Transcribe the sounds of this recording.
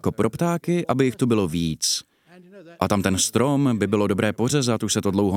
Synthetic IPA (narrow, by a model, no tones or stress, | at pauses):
kopɾʔopt̪aːkɪʔabɪjɪxt̪ubɪlo̞viːt͡s | ʔat̪amt̪ɛnst̪ɾo̞mbɪbɪlo̞do̞bɾɛːpo̞r̝ɛzat̪uʃsɛt̪odlo̞wɦo